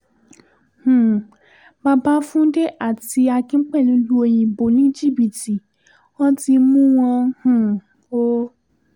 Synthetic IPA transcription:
hũ˨ | ba˧ba˦fũ˦de˦ʔa˦˨ti˧a˧kĩ˦k͡pɛ˦˨lõ˧lu˦o˧j̃ĩ˨bo˨nĩ˦d͡ʒi˦˨bi˨ti˨ | ɔ̃˦ti˧mũ˦w̃ɔ̃˧hũ˨ | o˦

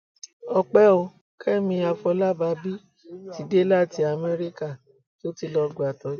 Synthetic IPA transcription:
ɔ˧k͡pɛ˦o˧ | kʰɛ˦˨mĩ˧a˧fɔ˧la˦ba˧bi˦ | ti˧˦de˦la˦˨ti˨˧a˧˨mɛ˦ɾi˦ka˦˨ | to˦ti˧lɔ˧ɡ͡ba˨tɔ˨˦

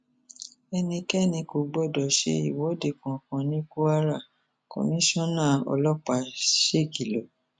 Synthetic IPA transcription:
ɛ˧nĩ˧kɛ˦˨nĩ˧ko˨˦ɡ͡bɔ˦˨dɔ˨ʃḛ˧˦i˨wɔ˨˦de˦˨kɔ̃˨kɔ̃˨nĩ˦ku˦a˦ɾa˦˨ | ko̰˨mĩ˦ʃɔ̃˦˨nãː˦˨ɔ̰˧lɔ˦k͡pa˧ʃe˦˨ɡi˨lo˨

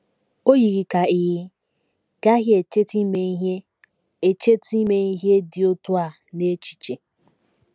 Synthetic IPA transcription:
o˦ɣi˨ɣi˨ka˨i˨ɣɪ˦ | ɡ̥a˦ɦje˨t͡ʃe˦ti˦me˨i˦ɦje˦ | e˨t͡ʃe˦ti˦me˨i˦ɦje˦dɪ˨o˦tu˦a˨ | ne˦t͡ʃi̥˨t͡ʃe˨

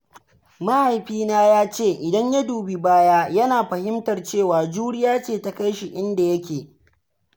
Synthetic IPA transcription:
ma˦ha˨jɸiː˦naː˦jaː˦t͡ʃeː˦˨ʔɪ˨dɐ˦ɲja˦duː˨bi˨baː˦jaː˦jɐ˦naː˨ɸɐ˨hɪ˦mtɐ˨rt͡ʃeː˦˨waː˨d͡ʒuː˦ɽɪ˦jaː˦t͡ʃeː˦˨ta˨ka˦jʃi˨ʔɪ˦nda˨jɐ˦kʲeː˨

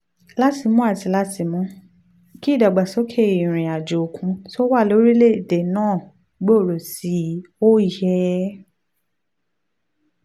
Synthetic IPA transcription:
la˦ti˧mũ˦a˦˨ti˧la˦ti˧˦mũ˦ | ki˦˨da˨ɡ͡ba˨sɔ˨˦kʰe˦i˨ɾ̃ĩ˨a˨d͡ʒo˨o˨kʰũ˧˦so˦wa˦˨lo˨˦ɾi˦le˦˨de˨nãː˦˨ | ɡ͡bo˦o˦˨ɾo˨si˨˦o˦i˦˨jɛ˧˦

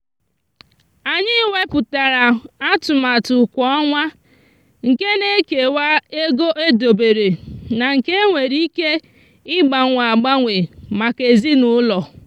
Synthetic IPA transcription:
a˨ɲɪ˦we˦pʊ˨ta˨ɾa˨a˦tʊ˨ma˨tʊ˨kʷɔ˦ɔ˦ŋʷa˦ | ŋ̩˨ke˦ne˦ke˨wa˦e˦ɡo˦ʔe˦do˨be˨ɾe˨na˨ŋ̩˨ke˦ŋʷe˨ɾi˦ke˦ | ɪ˦ɡ͡ba˨˦ŋʷa˨a˨ɡ͡ba˦ŋʷe˨ma˨ke˨zi˦nʊ˦lɔ˨

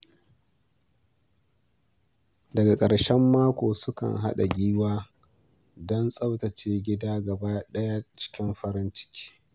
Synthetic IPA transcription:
dɐ˨ɡa˨kʼɐ˨ɽʃɛ˦mːaː˦kʷoː˨sʊ˦kɐ̰˨nɦa̰˦ɗa̰˨ɡʲiː˦waː˦ | dɔ˦nsʼɐ˦wtɐ˨t͡ʃeː˦ɡʲɪ˦daː˦ɡɐ˨baː˦ɗɐ˦ja˦t͡ʃɪ̥˦kʲɪ˦mɸɐ˦ɾɪ˦nt͡ʃɪ̥˦kʲi̥ː˦

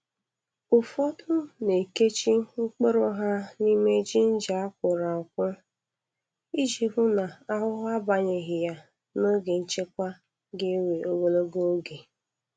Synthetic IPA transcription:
ʊ˨fɔ˦tʊ˦ne˨ke˦t͡ʃi˦ŋ͡m̩˦k͡pe˦ɾo˦ɦa˦ni˦me˦d͡ʒi˦n̩˦d͡ʒa˨a˦kʷʊ˨ɾa˨kʷʊ˦ | i˦d͡ʒi˨ɦʊ˦na˨a˦ɦʊ˦ɦʊ˦a˦ba˨ɲe˨ɦɪ˨ja˦ | no˦ɡe˨n̩˦t͡ʃe˦kʷa˦ | ɡɪ˦we˨ʔo˦wo˦lo˦ɡo˦o˦ɡe˨

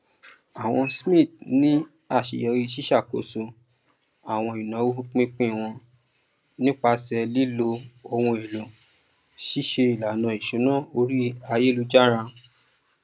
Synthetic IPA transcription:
a˨w̃ɔ̃˧smĩ˦˨tnĩ˦ | a˦˨ʃḭ˨jɛ˧ɾi˧˦ʃi˦ʃa˦˨ko̰˨so˧ | a˨w̃ɔ̃˧i˨nã˨˦wo˦u˦k͡pĩ˦k͡pĩ˦˨w̃ɔ̃˧ | nĩ˦k͡pa˧sɛ˧li˦lo˧o˧wũ˧e˨lõ˨ | ʃi˦ʃe˧i˨la˨nã˨˧˨i˨ʃũ˨˦nã˦˨o˧ɾi˦a˧je˦lu˦d͡ʒa˦ɾã˧

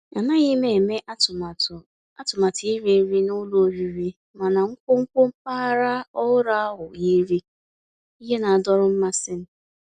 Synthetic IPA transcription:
a˨na˦ɣi˦me˨e˨me˦ʔt | a˦tʊ˨ma˨ti˦ɾi˦ɾi˦nʊ˦lo˦o˦ɾi˨ɾi˦ | ma˨na˨ŋ̩˦kʷo˦ŋ̩˦kʷo˦m̩˦pa˦ɾa˦ɔ˦ʊ˦ɾa˦a˦ɦʊ˨ji˦ɾi˦ | i˦ɦe˦na˨a˨dɔ˦ɾʊ˦m̩˦ma˦sɪ˦n̩˦

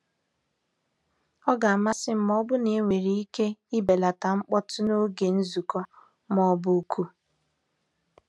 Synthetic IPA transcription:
ɔ˦ɡa˨a˨ma˦sɪ˦m̩˨mɔ˦bʊ˦ne˨˦ŋʷe˨ɾi˨˦i˦ke˦i˦be˨la˨ta˨ŋ͡m̩˦k͡pɔ˦tʊ˦no˦ɡe˨n̩˦zu˨kɔ˦ | mɔ˦bʊ˦kʰu˦

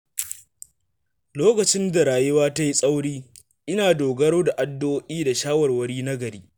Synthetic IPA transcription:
loː˦kɐ˨t͡ʃɪ˦nda˨ɾaː˨jɪ˦waː˦ta˦ji˦sʼa˦wɽiː˦ | ʔɪ˦naː˨doː˨ɡɐ˦ɽoː˦da˨ʔa˦dːoː˦ʔʲiː˦da˨ʃaː˦wɐ˨rwɐ˦ɽiː˦nɐ˦ɡɐ˨ɾiː˦

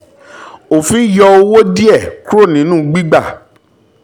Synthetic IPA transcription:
o˨fĩ˦jɔ˧o˧wo˦di˦ɛ˦˨ku˦ɾo˦˨nĩ˨˦nũ˦˨ɡ͡bi˦ɡ͡ba˦˨

